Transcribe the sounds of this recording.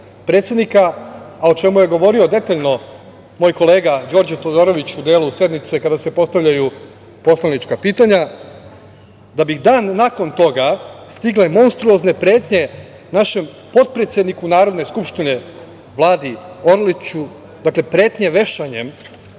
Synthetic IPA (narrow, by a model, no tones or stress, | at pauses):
pɾe̞t̪sje̞d̪nikaːo̞t͡ʃe̞muje̞ɡo̞ʋo̞ɾio̞d̪e̞t̪aʎno̞ | moːjko̞le̞ːɡad͡ʑo̞ːɾd͡ʑet̪o̞d̪o̞ːɾo̞ʋit͡ɕud̪eːlusje̞d̪mit̪se̞kad̪ase̞po̞st̪aʋʎaju | po̞slˠanit͡ʃkapiːt̪aɲa | d̪abid̪aːnːako̞nt̪o̞ɡast̪iɡle̞mo̞nst̪ɾuozne̞pɾe̞ːt̪ɲe̞ | naʃe̞m | po̞t̪̚pɾe̞t̪sʲje̞d̪nikunaːɾo̞d̪ne̞skupʃt̪ine̞ | ʋlˠaːd̪io̞ɾlit͡ɕu | d̪akle̞pɾe̞ːt̪ɲe̞ʋe̞ʃaɲem